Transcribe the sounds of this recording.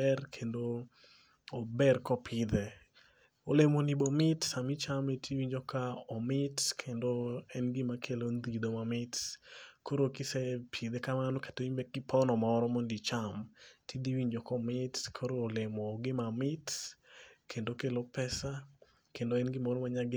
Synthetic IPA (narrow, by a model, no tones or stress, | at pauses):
ɛrkʰendo | obɛrkɔpʰɪd̪ɛ | olemonibomɪtsamit͡ʃametʰiwiɲd͡ʒokaɔmɪtkʰendoɛnɡɪmakʰelond̪id̪omamɪtkoɾokɪsɛpʰid̪ɛkamanokḁtoimbɛkɪpʰɔnɔmaɔɔɾɔmondit͡ʃamtʰid̪iwiɲd͡ʒokɔmɪtkʰoɾoːlemoɡɪmamɪt | kʰendokelopɛsa | kendoɛnɡɪmoɾomaɲaɡɪ